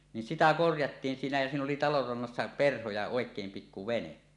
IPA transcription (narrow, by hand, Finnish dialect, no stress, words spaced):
nin sitæ korjɑtːiːn siːnæ jæ siːn oli tɑlor rɑnːɑsːɑ perho jɑ oˑekˑeːm pikːu ʋene